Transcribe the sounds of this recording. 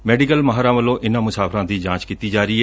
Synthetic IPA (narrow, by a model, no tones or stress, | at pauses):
mɛːɖikəlmaɦaɾãːʋəlːõːʔɪnãːmʊsaːpʰɾãːd̪iːd͡ʒãːt͡ʃkiːt̪iːd͡ʒaːɾiːɛː